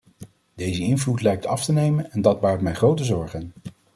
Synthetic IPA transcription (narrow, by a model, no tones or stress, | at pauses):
dejzəɪnvlutlɛjk̚tɑftənejmənɛndɑd̚baːɹtmɛjχrowtəzɔɹχən